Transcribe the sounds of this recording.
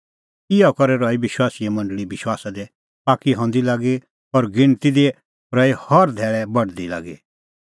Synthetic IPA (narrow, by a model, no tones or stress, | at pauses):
ɪakɔɾɛɾɔːibɪʃwaːsijɛmɐ̃ɳɖɭibɪʃwaːsad̪ɛ | paːkiɦɔ̃ːnd̪ilaːɡi | ɔɾɡɪ̃ɳ̃t̪id̪i | ɾɔːihɔɾd̪ʱɛːɭɛbɐɽd̪ila̰ːɡḭ